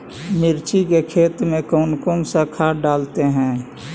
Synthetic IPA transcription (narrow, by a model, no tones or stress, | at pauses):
mɪɾt͡ʃikekʰeːt̪mẽkɔːnkõŋsakʰaːɖaːlt̪eɦɛ̃ː